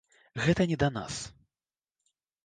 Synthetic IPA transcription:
ɣɛt̪ɐnʲɛd̪ɐna̰s

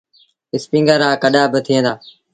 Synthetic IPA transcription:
ɪspĩːŋɡəɾaːkəɗaːbɪt̪ʰiə̃ːnd̪aː

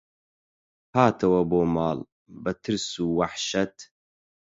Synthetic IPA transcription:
haːt̪ʰɐwɐboːmaːl | bɐt̪ʰɨɾsuːwaħʃɐt̪

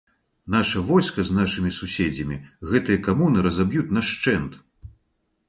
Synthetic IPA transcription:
n̪aʂɐvɔjskɐznaʂɨmʲisusʲɛd͡zʲɐmʲiɣɛt̪ɨjɐkamunɨɾɐzabjut̪ʲnɐʂt͡ʂɛnt̪

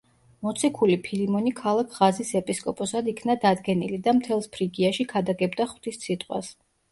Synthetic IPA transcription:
mɔt̪sʰikʰulipʰilimɔnikʰalˠakʰʁazisɛpʼiskʼɔpʼɔsad̪ikʰnad̪ad̪ɡɛnilid̪amt̪ʰɛlˠspʰɾiɡiaʃikʰad̪aɡɛbd̪aχw̥t̪ʰist̪sʰit̪ʼqʼwa̰s

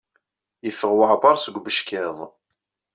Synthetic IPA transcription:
jəfəʁwəʕbɑɾˤsəɡʷbəʃkɪðˤ

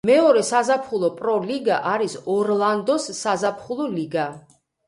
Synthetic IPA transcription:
mɛɔɾɛsazapʰχulˠɔpʼɾɔliɡaʔaɾisɔɾlˠand̪ɔsːazapʰχulˠɔliɡa

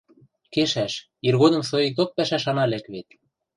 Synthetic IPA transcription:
keʃæʃ | irɣod̪ɤ̆msoik̚t̪ok̚pæʃæʃɑnɑlækβet̪̚

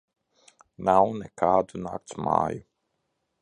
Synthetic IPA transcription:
nawnɛkʰaːd̪unaːk̚t̪sma̰ːju

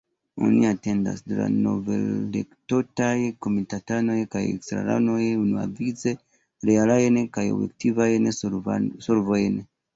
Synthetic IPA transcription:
o̰niatenda̰sdɾa̰no̰vḛllektotajekomitatanojekajḛksɾa̰ɾa̰nojeunuwa̰vit͡se | ɾealajenekajo̰wḛk̚tivajenesoɾuvojene

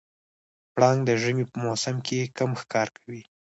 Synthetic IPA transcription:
pɽɑŋɡd̪əʒəmipəmosamkekamxkɑɾkawi

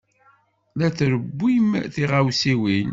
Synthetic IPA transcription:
læθɾəbːimθiʁawsiwin

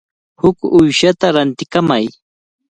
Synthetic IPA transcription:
hʊkʊjʃat̪aɾant̪ɪkamaj

